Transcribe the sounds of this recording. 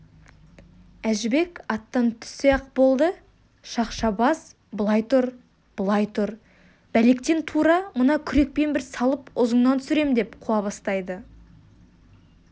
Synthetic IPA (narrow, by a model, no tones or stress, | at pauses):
æʒɪbe̞kɑt̪ːɑnt̪ʰʏ̥sijɑq̚bo̞lˠd̪ə | ʃɑqʃɑbɑs | bəlˠɑjt̪ʊɾ | b̥əlˠɑjt̪ʰʊɾ | bæle̞kt̪e̞nt̪ʰuɾɑmənɑkʲʰʏɾe̞k̚pe̞nbɪɾsɑlˠəpʊzəɴnɑnt̪sʏɾe̞md̪e̞pqʰuɑβɑst̪ɑjd̪ə